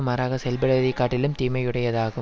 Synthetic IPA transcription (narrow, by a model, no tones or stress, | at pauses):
maːɾaːɣɐsɛlbɐɽɐʋɐðɪkːaːʈːɪlɯmt̪iːmɐjɯɽɐjɐðaːɣɯ